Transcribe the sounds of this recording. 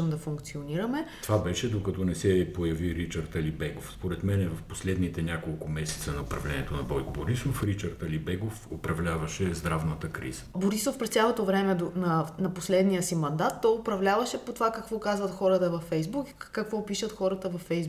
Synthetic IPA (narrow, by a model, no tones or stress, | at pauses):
əmd̪ɐfuŋkt̪sioniɾɐmɛovabɛʃɛd̪okɐt̪ɔnɛsɛpojɐviɾit͡ʃɐɾt̪ɐlibɛɡofspoɾɛt̪mɛnɛvɐfposlɛd̪nit̪ɛnʲakolˠkʊmɛsɛ̥t̪sənɐʊpɾɐ̰vlɛnʲiɛt̪onɐbɔjkoboɾisofɾit͡ʃəɾt̪ɐlibɛɡofopɾɐvlʲavɐʃɛzd̪ɾavnət̪əkɾḭzə̥tboɾisofpɾɛst̪sʲjalˠot̪ovɾɛmɛd̪onɐnɐposlɛd̪niəsimɐnd̪at̪ːɔjopɾɐvlʲavɐʃɛpot̪ovakɐkvɔkazvɐt̪xɔɾət̪əvɐfːɛjzbukkɐkvɔpiʃət̪xɔɾət̪əvɐfːɛjz